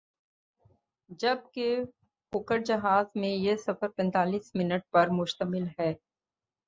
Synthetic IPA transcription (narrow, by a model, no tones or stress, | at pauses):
d͡ʒɐb̚ke | xʊkəɾd͡ʒɐɦaːzmẽjesɐfəɾpɛ̃nt̪aːliːsmɪnəʈ̚pɐɾmʊʃt̪əmɪlɦɛː